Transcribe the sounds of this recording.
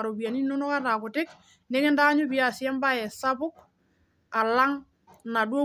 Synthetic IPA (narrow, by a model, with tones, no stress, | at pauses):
a˨ɾo˨bi˨a˨ni˦no˦nɔ˦ka˦ta˨kʊ˨tɪ˦k | nɛ˦kɛ˦nda˦ɲʊ˦bi˨a˦˨sjɛ˦mba˦ɛ˨sa˦bʊ˦k | a˨la˦ŋ | na˨dwo˦